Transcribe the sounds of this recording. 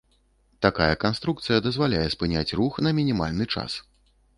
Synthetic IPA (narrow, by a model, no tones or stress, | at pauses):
t̪akajɐkanst̪ɾuk̚t̪sɨjɐd̪ɐzvalʲajɛspɨnʲat͡sʲruxnɐmʲinʲima̰lʲnɨt͡ʂa̰s